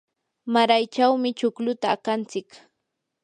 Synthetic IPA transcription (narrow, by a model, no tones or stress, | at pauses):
maɾajt͡ʃawmɪt͡ʃʊklʊt̪aːkant͡sɪk